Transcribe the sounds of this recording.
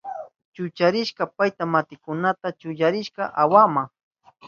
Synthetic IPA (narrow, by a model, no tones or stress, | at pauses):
t͡ʃʊt͡ʃaɾɪʃkɑpajt̪amat̪ɪkʊnat̪at͡ʃʊjaɾɪʃkɑʔawama